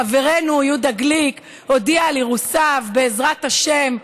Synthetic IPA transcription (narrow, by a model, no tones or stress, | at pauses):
ave̞ʁe̞nujud̪aɡlik | o̞dialiʁusavbe̞ːzʁat̪aʃem